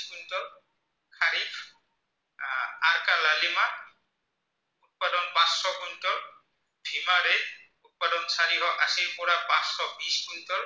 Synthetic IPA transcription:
skuntɔ | kʰaɾipʰ | aɾkalalima | ut̚padɔnbãsɔkuntɔ | bʱimaɾe | ut̚padɔnsaɾiɦɔʔasilpɔɹabãsɔbiskuntɔɹ

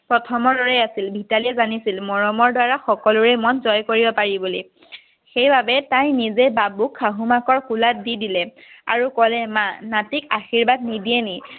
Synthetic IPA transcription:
pɹɔtʰɔmɔdɔɹɛasilbʱitaliɛzanisilmɔɹɔmɔɹdwaɹaxɔkɔlʊɹɛmɔnzɔjkoɹibɔpaɹibuli | xejbabɛtãjnizɛbabukʰːaɦumakɔɹkulat̚didilɛa̰ɹukɔlɛmãnatikaxiɹbad̚nidiɛni

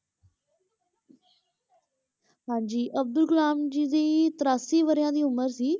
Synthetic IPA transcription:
pãɪ̃ɲd͡ʑiːʔɐb̚d̪ʊlkʊlaːmd͡ʑiːd̪iːt̪əɾaːsiʋəɾijãːd̪iːʊməɾsiː

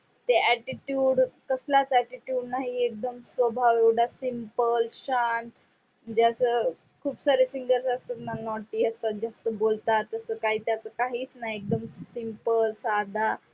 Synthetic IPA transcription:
t̪eæʈiʈjuːɖkəslat͡sɛʈiʈjuːɖnaɦiek̚d̪əmsʋəbʱaʋewɽasimpəlɕãnt̪ | d͡ʑasə | kʰuːbsaɾesiŋɡəɾsəst̪at̪nanɔʈiːəst̪at̪̚d͡ʑast̪əbolt̪at̪əsəkaɦiːt̪jat͡səkaɦiːt͡snaɦiek̚d̪əmsimpəlsad̪ʱa

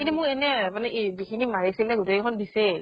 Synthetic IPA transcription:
kintumʊkɛnɛmanɛʔbixʰinimaɹisilɛɡutejkʰɔndisɛ

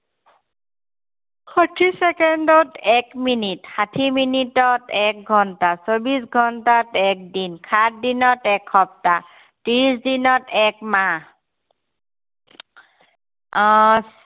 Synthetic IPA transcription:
xɔtʰisɛkendɔtɛkminitxatʰiminitɔtɛk̚ɡʱɔntasobisɡʱɔntatɛk̚dinkʰat̚dinɔtɛkʰːɔp̚ta | tiɹisdinɔtɛkma

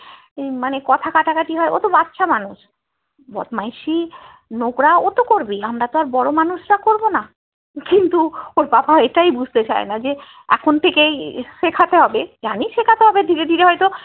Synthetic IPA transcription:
ejmanekɔt̪ʰakaʈakaʈiɦɔeʔo̰t̪obat̪ːʃʰamanuʃ | bɔ̰t̪majʃi | noɡɾaot̪okoɾbiamɾat̪oaɾbɔɾomanuʃɾakoɾbona | kint̪uoɾpapaɦɔeʈajbud͡ʑʱt̪et͡ɕa̰enad͡ʑe | ɛ̰kʰont̪ʰekejʃekʰat̪eɦɔbed͡ʑaniʃekʰat̪eɦɔbed̪ʱiɾed̪ʱiɾeɦɔjt̪o

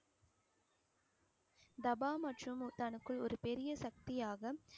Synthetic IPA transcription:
d̪ɐbaːmɐʈrɯmt̪ɐɳɯkːɯɭɔɾɯpɛɾɪjɐsɐk̚t̪ɪjaːɣɐ

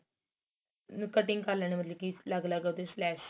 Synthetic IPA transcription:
nkəʈɪ̃ŋɡkalañemət̪ləbkiləɡləɡəd̪eslɛːʃ

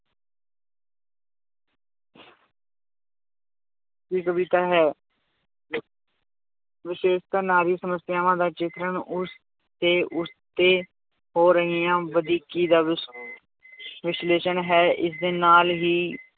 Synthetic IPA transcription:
ʋiːkəbit̪aːɦɛː | ʋɪʃeːʃt̪əɾnaːɾiːsəməsɪjaːʋãːd̪aːt͡ʃɪt̪ɾəɳʊs | t̪eːʔʊst̪eː | hoːɾəɦiːãːʋəd̪iːkiːd̪aːʋɪs | ʋɪsleːʃənɦɛːʔɪsd̪eːnaːlɦiː

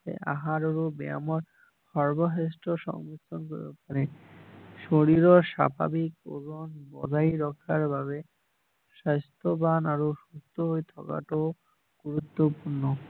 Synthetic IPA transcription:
ḛʔa̰ɦaɾoɾobea̰moɾ | ʃɔɾboɦesʈoʃɔ̰ŋmitʰːonko̰ɾbḛpaɾe | ʃoɽiɾoʃa̰bʱa̰biko̰ɡonbɔ̰d͡ʑajɾɔkʰːaɾbʱaβe | ʃast̪ʰobanaɾoʃust̪ʰoɦojt̪ʰɔ̰ka̰ʈoo | ɡ̥uɾut̪ːopuɾno

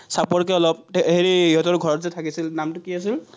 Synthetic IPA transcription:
sapɔɹkɛɔlɔp̚ɦeɹiiɦɔtɔɹɡʱɔɹɔtzɛtʰakisilnamtʊkiasil

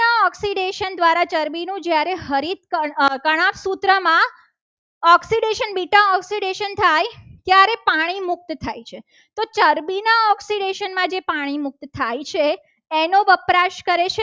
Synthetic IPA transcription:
aɔksiɖeʃənd̪ʋaɾat͡ʃəɾbinũd͡ʒjaɾeɦəɾit̪̚əkəɽ̃apsut̪ɾəmã | ɔksiɖeʃənbiʈãɔksiɖeʃənt̪ʰajt̪jaɾepaɽ̃imʊk̚t̪t̪ʰajt͡ʃʰe | t̪ot͡ʃəɾbinaɔksiɖeʃənmãd͡ʒepaɽ̃imʊk̚t̪t̪ʰajt͡ʃʰe | enoʋəpɾaʃkəɾet͡ʃʰe

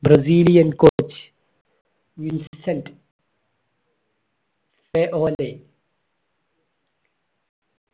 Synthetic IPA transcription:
bɾɐziːlijɐnkot͡ʃ | winssɐnt | feʔoːle

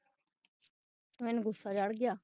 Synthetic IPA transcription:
mɛnɡʱʊsːad͡ʒaɽɡɪjaː

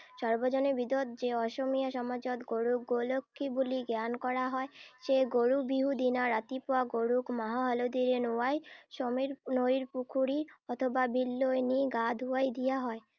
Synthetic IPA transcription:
ʃɔɾbod͡ʑonebid̪ot̪d͡ʑeɔʃomijaʃɔmad͡ʑot̪ɡoɽuk̚ɡolokʰːibuliɡankɔɾaɦɔeʃeɡoɽubiɦud̪inaɾat̪ipoaɡoɽukmaɦaɦalod̪iɾenuajʃomiɾnoɾiɾpukʰuɽiɔt̪ʰobabʱilːoeniɡad̪ʱuajd̪ijaɦɔe

